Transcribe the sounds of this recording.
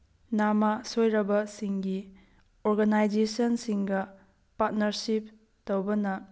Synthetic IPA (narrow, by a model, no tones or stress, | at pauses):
namasojɾɐbɐsiŋɡi | oɾɡanajd͡ʒesɔnsiŋɡɐ | pat̚nɐɾsip̚ | towbɐnɐ